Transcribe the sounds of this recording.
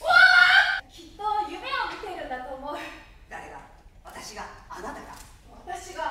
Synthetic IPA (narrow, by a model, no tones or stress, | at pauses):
aakʲit̪ːo̞jɯ̟me̞omʲit̪e̞iɾɯ̟̃nd̪at̪o̞ːmo | d̪aɾeɡ̪a̰ | βat̪aɕiɡaːnat̪aɡa̰ | βat̪aɕiɡa